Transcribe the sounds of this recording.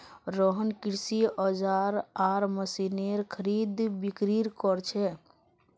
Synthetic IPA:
ɾɔɦənkiɾsiɔd͡ʒaɾaɾməsineɾkʰəɾid̪bikɾiɾkɔɾt͡ʃʰɛ

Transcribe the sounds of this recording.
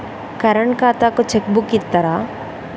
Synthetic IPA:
kɐɾəɳkaːt̪akot͡ʃʰek̚bukːit̪ːɐɾa

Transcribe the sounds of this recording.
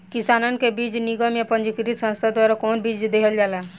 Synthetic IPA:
kisanənkebit͡ʃniɡəmjapənd͡ʒikɾit̪sə̃nst̪ʰad̪waɾakɔːnbid͡ʒd̪eɦəld͡ʒala

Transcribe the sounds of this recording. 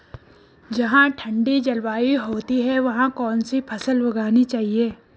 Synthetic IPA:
d͡ʒɐɦãʈʰɐ̃ɳɖid͡ʒɐlʋaːiɦoːt̪iɦɛʋɐɦãkɔːnsipʰɐsəlʋɐɡaːnit͡ʃaːɦieː

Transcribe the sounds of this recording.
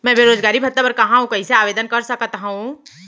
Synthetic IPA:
mɛ̃ːbeːɾoːd͡ʒɡaːɾibʱɐt̪ːapɐɾkɐɦãɦũkɐĩseaːʋeːd̪ənkɐɾsɐkt̪aɦũ

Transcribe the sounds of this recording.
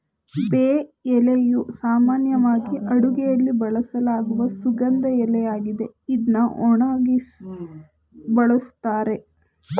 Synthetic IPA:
beːɛlejusaːmaːnjɐʋaːɡiʔɐɽuɡɛjɐlːibɐɭɐsɐlaːɡuʋɐsuɡɐnd̪ɐɛlɛjaːɡid̪e̞id̪nɐɔɳɐɡi | bɐɭɐst̪aːɾe̞

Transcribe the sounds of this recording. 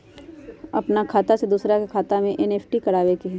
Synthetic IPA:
ɐpnakʰaːt̪ased̪uːsɾakekʰaːt̪amẽʔɛneːpʰʈikɐɽaːʋekeɦɛː

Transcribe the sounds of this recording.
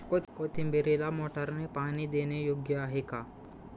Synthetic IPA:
kot̪kot̪ʰimbeɾelamoːʈəɾnepaːnid̪eːnejoːɡjəaɦekaː

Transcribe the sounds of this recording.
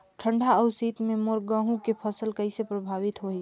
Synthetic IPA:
ʈʰəɳɖʱaəʊsiːt̪memoɾɡəɦũkepʰəsəlkəisepɾəbʱaːʋit̪ɦoi

